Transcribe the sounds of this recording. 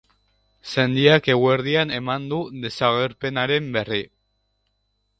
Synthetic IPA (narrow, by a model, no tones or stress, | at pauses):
send̪iake̞ɣweɾð̞ianemand̪uðe̞saɣeɾpenaɾemberi